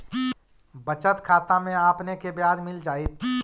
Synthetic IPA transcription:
bət͡ʃət̪kʰaːt̪amẽaːpnekebjaːd͡ʒmɪld͡ʒaːit̪ʰ

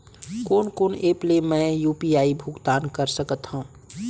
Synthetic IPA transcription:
koːnkoːneːplemɛ̃ːjuːpiaːibʱuɡt̪aːnkəɾsəkət̪hũ

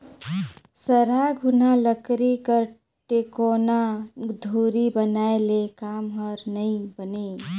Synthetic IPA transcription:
səɾaɡʱunaləkɾikəɾ | ʈekonad̪ʱuɾibənaelekamɦəɾnəĩbəne

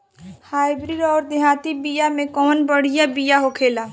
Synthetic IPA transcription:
haːɪbɾiːɖɔːɾd̪jãːt̪ibijamẽkɔːnbəɽ̤ijabijaɦokʰeːla

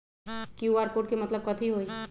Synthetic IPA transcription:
kuaːɾpoːʈ̚kemɐt̪ləb̚kət̪ʰiɦoi

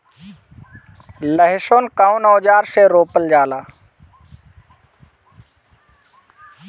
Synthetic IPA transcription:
ləɦɪʃoːnkaːwnɔːd͡ʒaːɾseɾoːpəld͡ʒaːlaː

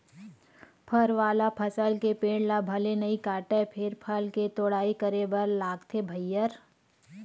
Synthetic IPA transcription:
pʰəɾʋaːlapʰəsəlkepeːɽlabʱɐlenɐikaːʈɛpʰɪɾpʰəlket̪oːɽaːikəɾebɐɾlaːɡt̪ʰebʱəjːəɾ

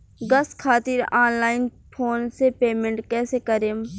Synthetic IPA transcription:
ɡɐskʰaːt̪iɾaːnlaːɪn | pʰoːnsepeːmẽɳʈkɛːsekəɾeːm

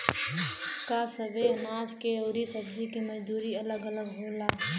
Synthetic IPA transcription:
kasəʋenaːd͡ʒkeoːɾisəbd͡ʒikiməd͡ʒd̪uːɾiɐləɡələɡɦũːlaː

